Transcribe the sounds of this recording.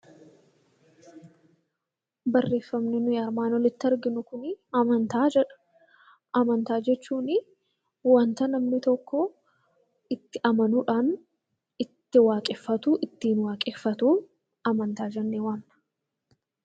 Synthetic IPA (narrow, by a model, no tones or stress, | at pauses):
bɐrːe̞ːfːɐmnɪnʊjaːɾmaːnɔlɪt̪ːɪɐɾɡɪnʊkʊnɪɐmɐnt̪aːd͡ʒɛᶑɐ̥ | ʔɐmɐnt̪aːd͡ʒɛt͡ʃːuːnɪ | wɐnt̪ɐnɐmnɪt̪ɔkːɔ | ɪt̪ːɪʔɐmɐnuᶑaːn | ɪt̪ːɪwaːkʼɪfːɐt̪uʔɪt̪ːiːnwaːkʼɪfːɐt̪uː | ɐmɐnt̪aːd͡ʒɛnːeːwɐːnːɐ̥